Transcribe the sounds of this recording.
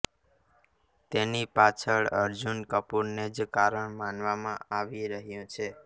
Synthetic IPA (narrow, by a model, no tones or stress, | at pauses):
t̪enipat͡ʃʰəɭəɾd͡ʒunkəpuɾned͡ʒkaɾəɳmanʋamãaʋiɾəɦjũt͡ʃʰe